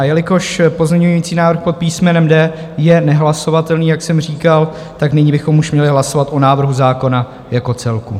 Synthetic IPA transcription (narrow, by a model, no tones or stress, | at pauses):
jɛlɪko̞ʃpozɲɛɲuujiːt͡siːnaːvr̩xpo̞t̪̚piːsmɛnɛmdɛː | jɛnɛɦlaso̞vat̪ɛlniːjaksɛmr̝iːkal | t̪aknɪɲibɪxo̞muʃmɲɛlɪɦlaso̞vat̪ʔo̞naːvr̩ɦuzaːko̞na | jako̞t͡sɛlku